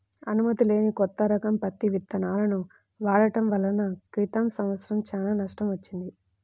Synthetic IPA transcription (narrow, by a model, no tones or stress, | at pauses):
ɐnumɐt̪ile̞ːnikɔt̪ːɐɾɐkɐmpɐt̪ːiʋit̪ːɐnaːlɐnu | ʋaːɭɐʈɐmʋɐlːɐnɐkɾit̪ɐmsɐmʋɐt̪sɐɾɐmt͡ʃaːlaːnɐʂʈɐmʋɐt͡ʃːind̪i